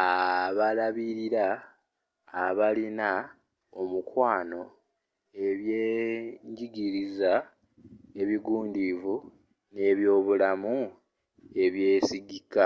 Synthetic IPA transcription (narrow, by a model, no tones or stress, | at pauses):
aβalaβiɾiɾaː | βalina | omukwaːno̞ | e̞βje̞ːɲɟiɡiɾiza | e̞βiɡuːndivu | ne̞ːβjo̞ːβulamu | e̞βje̞ːsiɡikːa